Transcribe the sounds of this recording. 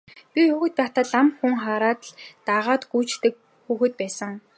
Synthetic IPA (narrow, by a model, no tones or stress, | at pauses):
pʲixuːxɘ̆t̪̚paːt̪aːɮamxuŋχaːɾaːt̪ɮt̪aʁaːt̪ɡujt͡ɕt̪ɘ̆k̚ | xuːxɘ̆t̪̚pæːsə̆ŋ